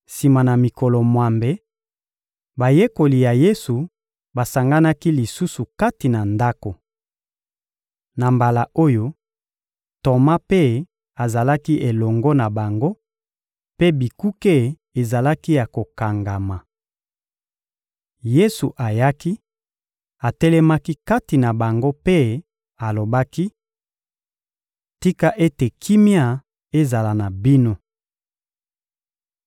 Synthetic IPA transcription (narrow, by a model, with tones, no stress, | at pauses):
si˨ma˨na˨mi˨kɔ˨lɔ˨mwa˨mbe˨ | ba˨je˦ko˨li˨ja˨je˦su˨ | ba˨sa˨ŋɡa˦na˦ki˦li˨su˦su˨ka˦ti˨na˨nda˦ko˨ | na˨mba˨la˨o˦jo˦ | to˨ma˦pe˦ | a˨za˨la˦ki˦ʔe˨lɔ˨ŋɡɔ˦na˨ba˨ŋɡo˦ | pe˦bi˨ku˦ke˦ | e˨za˨la˦ki˦ja˨ko˨ka˨ŋɡa˨ma˨ | je˦su˨ʔa˨ja˦ki˦ | a˨tɛ˦lɛ˦ma˦ki˦ka˦ti˨na˨ba˨ŋɡo˦pe˦ | a˨lo˨ba˦ki˦ | ti˦ka˦ʔe˦te˨kʰi˦mja˦ | e˦za˨la˨na˨bi˦no˦